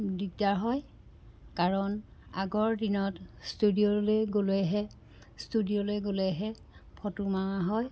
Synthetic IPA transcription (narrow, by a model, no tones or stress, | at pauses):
dikdaɹɦɔj | kaɹɔnaɡɔɹdinɔtstudioleɡolɛɦɛ | studiolejɡolɛɦɛ | pʰɔtumawaɦɔj